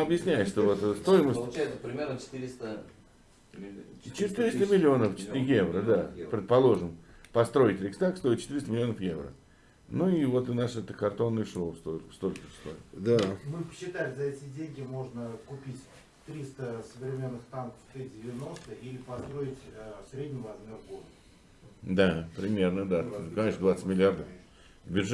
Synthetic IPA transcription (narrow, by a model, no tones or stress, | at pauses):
ɐbjɪsʲnʲæjɪʂt̪ovot̪st̪ojɪməsʲəlˠɛjt̪səpɾʲɪmʲernət͡ʃɪ̥t̪ɨɾʲɪst̪ə | t͡ɕɪt̪ɨɾʲɪst̪əmʲɪlʲːɪo̞nəft͡ɕɪ̥t̪jevɾəd̪apɾʲɪt̪̚pɐlˠo̞ʐɨmpɐst̪ɾo̞ɪtʲɾʲɪkst̪akst̪o̞ɪt̪̚t͡ɕɪ̥t̪iɾʲɪst̪əmɪlʲɪo̞nəfjevɾə̰ | nuɪvo̞t̪ɨnaʂɛt̪əkɐrt̪o̞nːɨjʂlost̪ost̪olʲkəst̪o̰jɪ̰t̪d̪amɨpəɕːɪt̪alʲɪzɐɛtʲɪdʲenʲɡʲɪmo̞ʐnəkʊpʲitʲ | t̪ɾʲist̪əsəvɾʲɪmʲe̞nːɨxt̪ankə̥ft̪ɨdʲɪvʲɪno̞st̪əilʲɪpɐst̪ɾo̞ɪtʲsɾʲedʲnʲɪvɐzmʲe̞rɡod̪ | d̪apɾʲɪmʲe̞rnəd̪akɐnʲeʂd̪vat̪sə̥tʲmʲɪlʲɪard̪əf | d̪bʲɪʐ